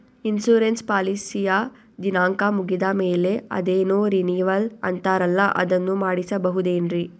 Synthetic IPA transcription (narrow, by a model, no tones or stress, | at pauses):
insuːɾenspaːlisija | d͡ʒinaːŋkamuɡid̪ɐmeːle̞ɐ̰d̪eːnuːɾiniːʋɐlɐ̰nt̪aːɾɐlːɐʔɐ̰d̪ɐnːumaːɽisɐbɐɦud̪eːnɾi